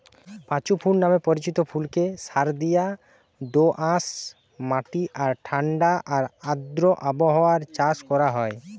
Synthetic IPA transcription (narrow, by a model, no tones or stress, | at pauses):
pãt͡ɕupʰuɽnamepɔɾit͡ɕit̪opʰulkesaɾd̪ija | d̪oʔãs | maʈiʔaɾʈʰaɳɖaʔaɾãd̪ɾoʔaboɦɔwaɾt͡ɕaskɔɾaɦɔe